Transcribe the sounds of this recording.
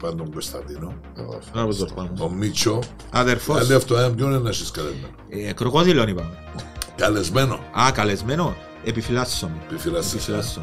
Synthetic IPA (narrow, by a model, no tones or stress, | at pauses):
pand̪oŋɡost̪ɐ̰nd̪ino̰ | ɐpozɡoɾpamoomːit͡ʃːo | aðeɾfod̪iaft̪oɐmɟonenːɐʃiskalḛzmenokɾokoðilonipɐn | kalezmeno̰akalezmeno | epifilasːonpifilaepifilasːon